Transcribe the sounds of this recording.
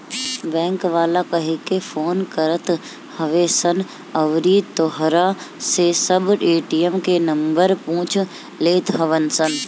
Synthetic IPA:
bɛ̃ːŋkʋaːlakɐɦekefʰoːnkəɾət̪ | hɐʋesən | ɐʋɾit̪oɦɾasesɐbeːʈiəmkenɐ̃mbəɾpũːt͡ʃʰ | leːt̪ɦɐʋənsən

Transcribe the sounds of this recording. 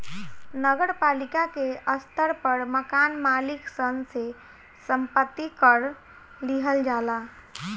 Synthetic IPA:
nəɡəɾpalikakeʔəst̪ʰəɾpəɾməkanmalɪksənse | səmpət̪ːikəɾ | liɦəld͡ʒala

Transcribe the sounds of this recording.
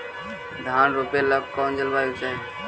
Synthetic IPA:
d̪ʱaːnɾupeːləɡ̚koːnd͡ʒəlʋaːjuːseː

